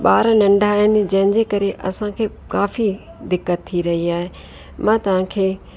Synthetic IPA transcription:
ɓaːɾnɐ̃ɳɖʱaːɦɪnɪ̆d͡ʑɐ̃ɦɪ̃ɲd͡ʑeːkɐɾeʔɐsãkʰeː | kaːfi | d̪ɪkːət̪ʰːiɾɐɦiaːɦe | mãːt̪ɐʋ̤ãkʰeː

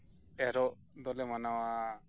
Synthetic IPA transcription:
eɾɔʔ | d̪ɔlɛmanawa

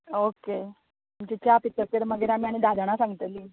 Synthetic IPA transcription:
oke | umt͡ɕit͡ɕjapit̪ːəpeɾməɡeɾamiːaɽ̃id̪ad̪aɽ̃asãŋɡt̪əliː

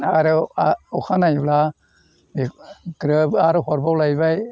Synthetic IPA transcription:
aɾɯɔkʰanajbla | ɡɾɯbaɾhɔɾbawlajbaj

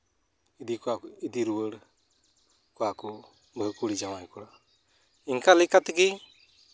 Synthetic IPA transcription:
id̪ikaid̪iɾuwəɽ | kɔaku | bʱəkuɽid͡ʒamajkɔɽa | iŋkalikat̪ki

